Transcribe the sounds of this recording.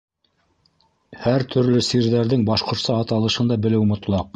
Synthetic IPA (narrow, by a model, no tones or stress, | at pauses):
hæɾt̪ʰɵ̆ɾlɵsiɾðæɾðɘŋbɑʃqŏɾsɑːt̪ɑlˠɤ̆ʃɤnd̪ɑbɘ̆lɘwmŏt̪lˠɑq